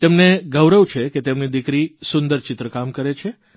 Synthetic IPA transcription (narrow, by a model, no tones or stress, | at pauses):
t̪emneɡəʋɾəʋt͡ʃʰeket̪emnid̪ikɾisʊnd̪əɾt͡ʃɪt̪ɾəkamkəɾet͡ʃʰe